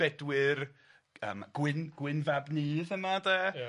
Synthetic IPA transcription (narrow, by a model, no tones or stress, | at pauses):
ɛdwɪr | ə̰ːmɡ̥wɪnɡwɪnvabniːðəmadɛ